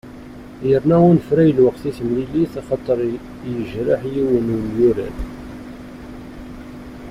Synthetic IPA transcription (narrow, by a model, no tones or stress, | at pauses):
jəɾnæunəfɾæjəlwəqθiθmliliθɑχɑt̪ˤːəɾˤ | jəʒɾaħjiwənənjuɾæ̰n